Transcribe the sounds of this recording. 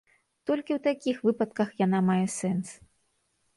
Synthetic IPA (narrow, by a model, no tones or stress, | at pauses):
t̪ɔlʲkʲiwt̪akʲixvɨpɐt̪kɐxjanamajɛsɛns